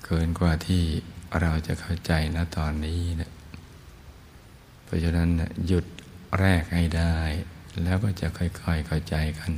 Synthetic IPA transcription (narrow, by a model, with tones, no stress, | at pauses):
kʰɤː˧nkwaː˧t̪ʰiː˥˩ɾa˧wt͡ɕa̰˨kʰa˥˩wt͡ɕa˧jna˦˥˩t̪ɔː˧nːiː˦˥na˧˩ | pʰɔː˧˥˩t͡ɕʰa˧˩na˦˧˥nːa˧˩ju˧˩t̪̚ɾɛː˥˩k̚ha˥˩jda˥˧˩jlɛː˦˥wkɔː˥˩t͡ɕa˨kʰɔ˧˩jkʰɔ˧˩jkʰa˥˩wt͡ɕa˧jka˧˩˨n